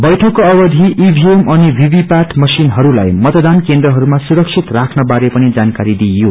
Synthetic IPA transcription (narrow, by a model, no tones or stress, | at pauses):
bʌjʈʰʌkːoʌbʌd̪ʱiʔːbʱiemʌnibʱibʱipaʈʰmʌsinɦʌɾulajmʌt̪d̪ankend̪rʌɦʌɾumasuɾʌksʰit̪rakʰnʌbaɾepʌnid͡zankaɾid̪ijo